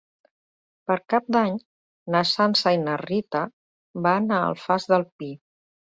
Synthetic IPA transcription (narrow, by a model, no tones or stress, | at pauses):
pəɾkap̚d̪aɲ | nəsansajnərit̪ə | baːnaə̰lˠfazðəlˠpi